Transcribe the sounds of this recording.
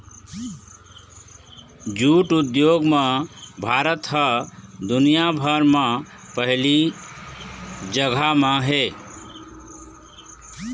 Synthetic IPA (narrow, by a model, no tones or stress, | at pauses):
d͡ʒuʈud̪joɡmãbʱaːɾət̪ɦəd̪ʊnijabʱəɾmã | pəɦli | d͡ʒəɡʱamə̃ɦe